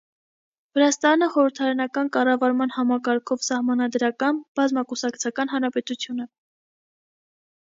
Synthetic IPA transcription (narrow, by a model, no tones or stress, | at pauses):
vəɾɑst̪ɑnəχɔɾəɾt̪ʰɑɾɑnɑkɑnkɑrɑvɑɾmɑnhɑmɑkɑɾkʰɔvsɑhmɑnɑd̪ɾɑkɑnb̥ɑzmɑkusɑkt͡sʰɑkɑnɦɑnɾɑpɛt̪ut͡sʰjunə